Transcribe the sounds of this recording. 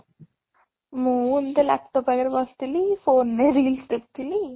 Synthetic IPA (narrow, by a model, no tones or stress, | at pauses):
muːnd̪ela̰ːk̚ʈopɐɡɐɾbaːst̪ilːifoːnːeɾiliːsʈɾip̚t̪ilːi